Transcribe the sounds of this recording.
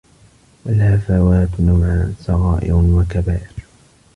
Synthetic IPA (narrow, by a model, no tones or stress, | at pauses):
walhafawaːt̪namʕasɑɣɑːʔɪ̰ɾwakabaːʔɪɾ